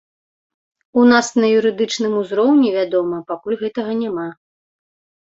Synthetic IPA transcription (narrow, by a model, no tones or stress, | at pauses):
unasnɐjuɾɨd̪ɨt͡ʂnɨmuzɾɔwnʲivʲad̪ɔmɐpakulʲɣɛt̪ɐɣɐnʲama